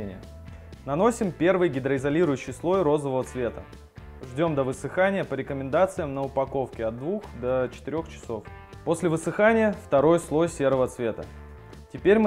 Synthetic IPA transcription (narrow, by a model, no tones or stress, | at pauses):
enʲɪ̰jə | nɐno̞sʲɪmpʲe̞rvɨjɡʲɪd̪ɾəɪzɐlʲiɾʊjʊɕːɪjslˠo̞jɾo̞zəvəvət̪svʲe̞t̪ə̰ | ʐdʲo̞md̪əvɨsɨxanʲɪjəpəɾʲɪkəmʲɪnd̪at̪sɨjəmnəʊpɐko̞fkʲɪɐd̪̚d̪vuxd̪ət͡ɕɪ̥t̪ɪɾʲo̞xt͡ɕɪ̥so̞f | po̞sʲlʲɪvɨsɨxanʲɪjəft̪ɐɾo̞jslˠo̞jsʲe̞ɾəvət̪svʲe̞t̪ə̰ | tʲɪpʲeɾʲm